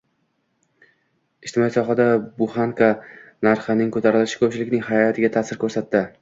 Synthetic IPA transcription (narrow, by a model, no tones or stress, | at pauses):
ɪʃt̪ʰɪmɒisɒɦad̪abʊχaŋkʰanaɾχanɪŋkʰɵt̪ʰaɾɪlɪʃɪ̥kʰɵp̚t͡ʃʰɪlɪkʲnɪŋhaɾjat̪ʰɪɡʲat̪ʰasɪɾkʰɵɾsat̪ːɪ